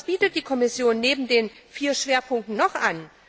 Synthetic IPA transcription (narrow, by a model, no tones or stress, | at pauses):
sb̥iːtət̚d̥iːkʰɔmɪsjoːnːeːbm̩deːnfiːɐʃv̥eːɐpʰʊŋk̚tn̩nɔχʔan